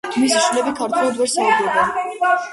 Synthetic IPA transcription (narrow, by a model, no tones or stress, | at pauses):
misḁʃnlɛbikʰaɾt̪ʰʼlad̪wɛɾsad̪ibɛn